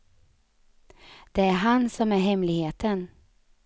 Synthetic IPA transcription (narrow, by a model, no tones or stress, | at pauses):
d̪̥ɛæɾɦansɔmæɾɦɛmlɪɡheːt̪ʰən